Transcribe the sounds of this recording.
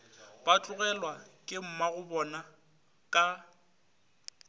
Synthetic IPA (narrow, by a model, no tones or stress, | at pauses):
b̥at͡ɬʼʊɣɛlwakʼɪm̩maɣʊbɔna | kʼa